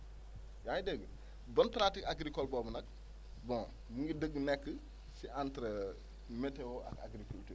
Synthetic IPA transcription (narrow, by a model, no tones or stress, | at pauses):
jajdeɡə | bɐnpɾatikaɡɾikɔlbɔːbənɐk̚ | bɔ̃ | muŋɡidəɡːnɛkːə | siʔantɾə | meteoʔɐ̰ka̰ɡɾikulti